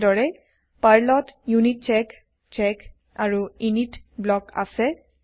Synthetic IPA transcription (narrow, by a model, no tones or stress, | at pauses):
dɔɹɛ | paɹlɔtjunit̚t͡ʃɛk | t͡ʃɛk | aɹuinitblɔka̰sɛ